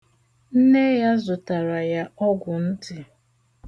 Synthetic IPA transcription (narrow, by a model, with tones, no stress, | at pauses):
n̩˦ne˦ja˦zʊ˨ta˨ɾa˨ja˦ɔ˦ɡʷʊ˨n̩˦tɪ˨